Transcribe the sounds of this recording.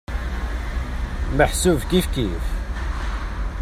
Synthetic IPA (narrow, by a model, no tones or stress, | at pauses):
məħsuvkifkif